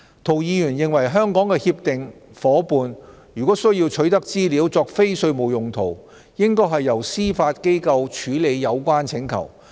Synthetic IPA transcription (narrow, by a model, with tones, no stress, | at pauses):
t̪ʰo˨˩wjiː˨˧jyː˨˩njɪ˨ŋwɐ˨˩jɦœː˥ŋkɔː˨˥ŋkɛː˧hiː˧p̚t̪ɪ˨ŋfɔː˨˥puː˨˧njyː˨kɔ˨˥sɵ˥ɥjiː˧wt͡ʃʰɵ˨˥ɥt̪ɐ˥k̚t͡siː˥liː˨˥wt͡sɔː˧k̚fe˥jsɵ˧ɥmo˨˩wjʊ˨˩ŋt̪ʰo˨˩w | jɪ˥ŋkɔː˥ɦɐ˨jːɐ˨˩wsiː˥faː˧t̚ke˥jkɐ˧wt͡ʃʰyː˨˥le˨˧jːɐ˨˧wkʷaː˥nt͡sʰɪ˨˥ŋkʰɐ̰˨˩w